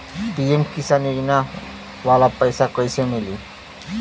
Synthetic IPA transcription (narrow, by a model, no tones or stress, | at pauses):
biemkisaniɾina | walapajsakɔjsʰemili